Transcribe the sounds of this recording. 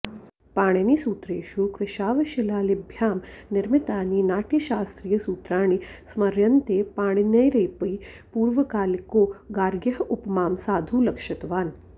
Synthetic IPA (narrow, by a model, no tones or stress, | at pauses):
paːɳɐnisuːt̪ɾeːʃuːkɾɪʃaːʋɐʃilaːlibʱjaːmnɪɾmit̪aːniːnaːʈjɐʃaːst̪ɾiːjɐsuːt̪ɾaːɳ̃ismɐɾjɐnt̪eːpaːɳ̃inɐjɾɐjpəi | puːɾʋɐkaːlikoːɡaːɾɡjɐɦupmaːmsaːd̪ʱuːlɐkʃɐt̪ʋaːn